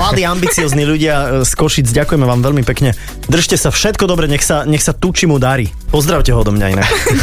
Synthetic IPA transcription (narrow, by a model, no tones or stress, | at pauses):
mlad̪iːambit͡siɔːzniʎuɟɪaskɔʃid͡zɟakujɛmɛʋaːmʋɛlmipɛkɲɛ | d̪r̩ʃcɛsafʃɛt̪kɔd̪ɔbɾɛɲɛxsaɲɛxsat̪ut͡ʃimud̪aɾiː | pɔzd̪ɾaʊcɛɦɔɔd̪ɔmɲaḭnɛ